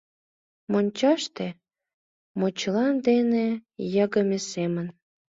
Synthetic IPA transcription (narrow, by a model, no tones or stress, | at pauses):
monʲt͡ɕɑʃt̪e | mot͡ɕlɑnd̪enejəɣə̆mesemən